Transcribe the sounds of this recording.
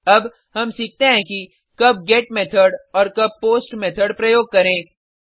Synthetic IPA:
ɐb | ɦɐmsiːk̚ʰt̪eɦɛ̃ki | kɐb̚ɡeːʈ̚meːt̪ʰəɾɖɔːɾkɐb̚poːsʈmeːt̪ʰəɖpɾɐjoːɡ̚kɐɾẽː

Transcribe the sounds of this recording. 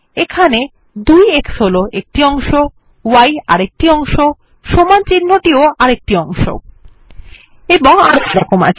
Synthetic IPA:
ekʰane | d̪ujeksoloʔek̚ʈiɔŋʃo | waja̰ɾek̚ʈiɔŋʃo | ʃomant͡ɕinːoʈioaɾek̚ʈiɔŋʃo̰ | eboŋaɾokɾakoma̰t͡ɕʰ

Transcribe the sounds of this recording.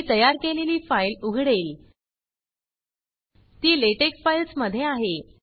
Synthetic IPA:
t̪əjaɾkeleliːfajluɡʱɽeːl | t̪iːleʈeksfajlsməd̪ʱjeaɦe

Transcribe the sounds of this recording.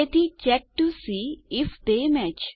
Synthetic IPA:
et̪it͡ʃɛk̚ʈusiːɪfd̪emɛt͡ʃ

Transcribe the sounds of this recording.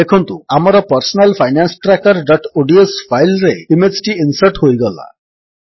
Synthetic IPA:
ekʰɔnt̪uamaɾɔpɔɾsɔnalpʰajnansʈɾakɔɾɖɔʈoɖiespʰajlɾeimed͡ʒʈiinsəɾʈɦojɡɔla̰

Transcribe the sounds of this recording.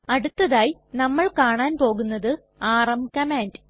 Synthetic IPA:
ɐɽut̪ːɐðaːjinɐmːɐɭkaːɳaːnpo̞ːɣunːɐðɨ | aːrɐmkɐmaːndɨ

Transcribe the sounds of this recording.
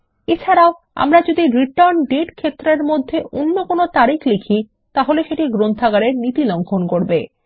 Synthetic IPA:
et͡ɕʰaɾao | a̰mɾad͡ʑod̪iɾiʈaɾnɖeʈkʰet̪ːɾeɾmod̪ʱːeʔonːokonot̪aɾikʰlekʰi | t̪aɦoleʃeʈiɡɾont̪ʰaɡaɾeɾnit̪iloŋkʰonkoɾbe

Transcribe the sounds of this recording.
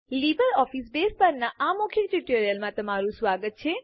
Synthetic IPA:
libəɾɔfisbespəɾnaamokʰjeʈiʈeɾijəlmãt̪əmaɾũsʋaɡət̪̚t͡ʃʰe

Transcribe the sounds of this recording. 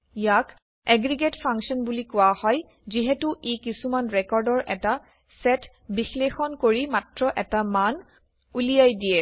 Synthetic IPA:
ijak | ɛɡɹiɡetpʰaŋksɔnbulikʊwahɔj | ziɦɛtuʔekisumanɹɛkɔɹdɔɹʔɛta | sɛt | bixlexɔnkoɹimatɹɔʔɛtaman | ulijajdijɛ

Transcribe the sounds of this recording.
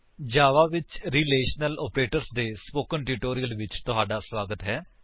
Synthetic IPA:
d͡ʒaːʋaːʋɪt͡ʃɾiːleːʃnəlɔ̰ːpɾeːʈəɾsd̪eːspoːkənʈiʈoːɾiəlʋɪt͡ʃt̪ʊɦaːɖaːsʋaːɡət̪ɦɛː

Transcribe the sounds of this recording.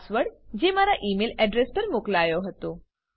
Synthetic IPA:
sʋəɽd͡ʑemaɾaʔimelɛɖɾespəɾmoklajoɦət̪o

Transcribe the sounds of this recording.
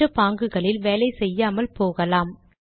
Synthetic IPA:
ɐpaːŋɡɯɣɐɭɪlʋeːlɐɪsɛjːaːmɐlpoːɣɐlaːm

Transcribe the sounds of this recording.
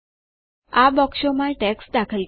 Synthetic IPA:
abɔkʂomãʈeksd̪akʰəl

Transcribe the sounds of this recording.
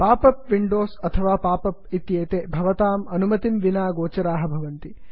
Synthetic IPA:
paːpɐpʋiɳɖoːsɐt̪ʰɐʋaːpaːpɐp̚it̪jeːt̪eːbʱɐʋɐt̪aːmɐnumɐt̪imʋinaːɡoːt͡ʃɐɾaːɦɐbʱɐʋɐnt̪i

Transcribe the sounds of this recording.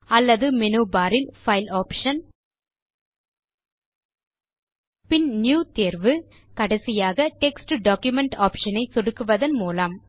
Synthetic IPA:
ɐlːɐðɯmɛnuːbaːɾɪlfɐɪlaːpʂɐn | pɪnnjuːt̪eːɾʋɯ | kɐɽɐsɪjaːɣɐʈɛksʈɨɖaːkjʊmɛɳʈaːpʂɐnɐɪsɔɽɯkːɯʋɐðɐnmuːlam

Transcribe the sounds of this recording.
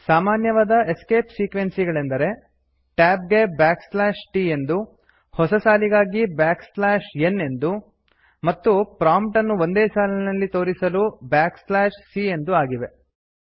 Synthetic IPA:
saːmaːnjɐʋaːd̪ɐʔeske̞ːpsiːkʋe̞nsiɡɐɭe̞nd̪ɐɾe̞ | ʈaːp̚ɡe̞baːkslaːʂʈiːe̞nd̪u | hɔsɐsaːliɡaːɡibaːkslaːʃenːe̞nd̪u | mɐt̪ːupɾaːmp̚ʈɐnːuʋo̞nd̪eːsaːlinɐlːit̪o̞ːɾisɐlubaːkslaːʃsie̞nd̪uaːɡiʋe̞

